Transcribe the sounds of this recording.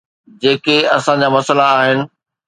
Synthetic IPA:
d͡ʑeːkeɐsãd͡ʑaːmɐsəlaːɦɪnɪ̆

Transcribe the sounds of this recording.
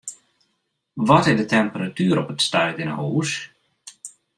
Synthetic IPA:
ʋɔtɪzdətʰɛmpəratyːɾɔpətstœɥtɪnə̰huːs

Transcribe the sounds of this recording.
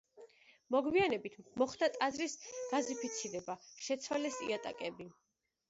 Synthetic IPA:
mɔɡwianɛbit̪ʰmɔχd̪at̪ʼazɾisɡ̥azipʰit̪sʰiɾɛbaʃɛt̪sʰwalɛsḭat̪ʼa̰kʼɛbi

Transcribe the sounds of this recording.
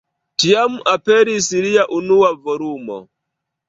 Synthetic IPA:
tijamuʔapɛɾisiɾijaʔunuwavɔɾumɔ̰

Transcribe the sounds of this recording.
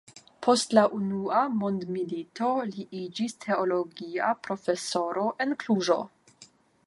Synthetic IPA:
pʰo̞stlaʔunuamondmilito̞liʔid͡ʒistʰe̞olo̞ɡiapɾo̞fe̞so̞ɾo̞ʔe̞nkluʒo̞̰

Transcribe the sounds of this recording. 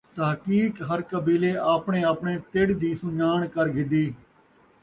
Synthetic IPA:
t̪əɦkiːkɦəɾkəbiːleːʔaːpɳeːaːpɳeːt̪eɽd̪iːsʊɲaːɳkəɾɡɪd̪iː

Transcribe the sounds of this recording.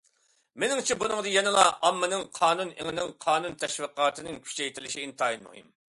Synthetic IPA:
menɪŋt͡ʃʰɛbunɨŋd̪ɨjɛnɪlˠɑɑmːɨnɪŋqʰɑːnunɪŋɪnɪŋqʰɑːnunt̪ʰɛʃwɨqɑːt̪ʰɨnɨŋkʲʰy̥t͡ʃɛjt̪ʰɪlɪʃiint̪ʰɑːjinmṵɦḭm

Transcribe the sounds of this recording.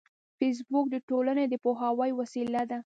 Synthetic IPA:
fes̬buk̚d̪əʈolaned̪əpoɦawajwasilad̪a

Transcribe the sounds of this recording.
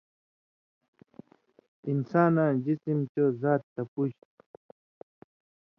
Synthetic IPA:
ɪnsaːnaʒɪsɪmt͡ʃawzaːt̪ːapʊʃ

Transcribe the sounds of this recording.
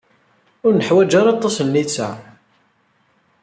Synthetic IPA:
ʊɾnəħwæd͡ʒaɾɑt̪ˤːɑsnːit͡sːa

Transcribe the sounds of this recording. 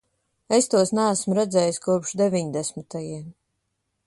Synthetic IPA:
est̪uɔsnaæsmuɾɛd̪zɛːjiskuɔpʃd̪evʲiɲd̪ɛsmit̪ajiɛm

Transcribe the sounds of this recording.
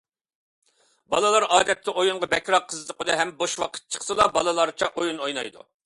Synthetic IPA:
bɑ̰lˠɨlˠɑɾɑːd̪ɛt̪ʰːɪʔojuɴʁɑbɛkʲɾɑqʰːəzɨd̪ɨqʰod̪ɨɦɛmboʃwɑqʰə̥t̪̚t͡ʃʰə̥χsɨlˠɑbɑlˠɨlˠɑɾt͡ʃʰɑʔojunojnɑ̰jd̪ṵ

